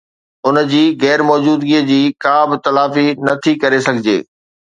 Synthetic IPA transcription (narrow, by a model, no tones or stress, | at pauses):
ʊnd͡ʑiːɣɛːɾmɔːd͡ʑuːd̪ɡiːəd͡ʑiːkãːbɪt̪ɐlaːfinɐt̪ʰikɐɾesɐɡʱɪd͡ʑḛː